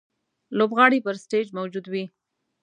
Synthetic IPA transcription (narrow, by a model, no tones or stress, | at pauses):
lobɣɑɽipəɾsʈed͡ʒmawd͡ʒud̪wi